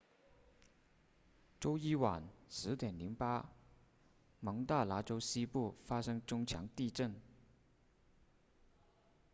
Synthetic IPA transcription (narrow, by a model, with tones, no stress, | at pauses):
ʈ͡ʂo˥ʊi˥wa˨˩nʂɻ̩˧˥t̪jɛ˨˩nli˧˥ŋpa˥ | mɤ˧˥ŋt̪a˥˩la˥ʈ͡ʂo˥ʊɕi˥pu˥˩fa˥ʂɤ˥ŋʈ͡ʂʊ˥ŋt͡ɕʰjɑ˧˥ŋt̪i˥˧ʈ͡ʂə˥˩n